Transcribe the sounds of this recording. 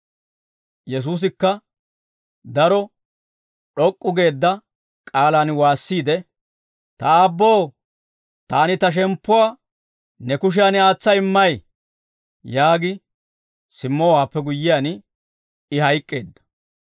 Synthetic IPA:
jɛs̬uːs̬ɪkːɐ | d̪ɐɾɔ | ɗɔkʼːʊɡe̞ːd̪ːɐ | kʼaːlaːnwaːsːiːd̪ɛ | t̪ɐaːbːoː | t̪aːnɪt̪ɐʃ̬ɛmpːʊwaː | nɛkʊʃ̬ɪjaːnɪaːt͡sːɐɪmːɐj | jaːɡɪ | sɪmːɔwaːpːɛɡʊjːɪjaːn | ɪhɐjkʼːe̞ːd̪ːɐ̥

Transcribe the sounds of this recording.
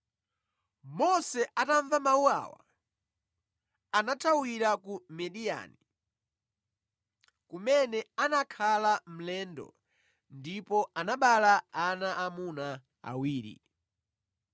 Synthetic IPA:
mɔsɛʔataɱvamauwa̰wa̰ | anatʰawiɾakumɛɗija̰ni | kumɛnɛanakʰalam̩lɛːndɔ̰ | ndipɔʔanaɓalaanaʔamuna | a̰wiːɾḭ

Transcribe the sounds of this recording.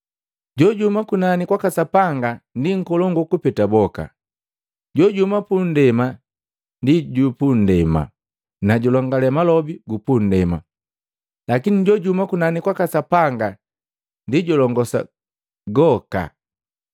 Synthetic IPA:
ɟɔɟumakunanikwakasapaŋɡandiŋ̩kɔlɔŋɡukupɛtabɔka̰ | ɟɔɟumapun̩dɛma | ndiɟupun̩dɛma̰ | naɟulɔŋɡalɛmalɔbiɡupun̩dɛma | lakiniɟɔɟumakunanikwakasapaŋɡa | ndiɟɔlɔŋɡɔsa̰ | ɡɔka̰

